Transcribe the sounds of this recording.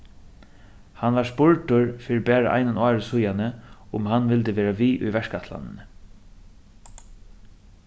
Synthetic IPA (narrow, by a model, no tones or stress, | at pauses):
hanʋaʂpʊɹʈ̪ʊɹfiːɾɪbæːɾaʔa̰jnɪnɑːɹɪsʊjanəʊmhanvɪlt̪əʋeːɾaʋiːʔʊ̰jʋɛʂkat̪la̰nɪ̰n